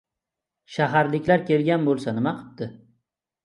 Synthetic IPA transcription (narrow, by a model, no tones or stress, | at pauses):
ʃaɦaɾlɪkʲlaɾkʲʰe̞lɡʲanbolˠsanɪmaqʰɨ̥p̚t̪ɪ